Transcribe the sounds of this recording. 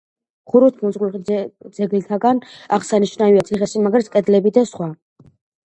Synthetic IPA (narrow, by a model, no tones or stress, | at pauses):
χuɾut̪ʰmɔzʁud̪z̥ɛɡlit̪ʰaɡanaʁsaniʃnaviat̪sʰiχɛsimaɡɾɛt̪skʼɛd̪lɛbid̪asχwa